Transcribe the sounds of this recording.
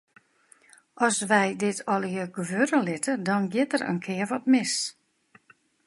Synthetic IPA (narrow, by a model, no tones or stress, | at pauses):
ʔɔsʋɛjdɪtʰɔlˠjəɡəʋøɾəlɪtʰədɔnɡjɪtərə̰nkʰɪərʋɔtmɪs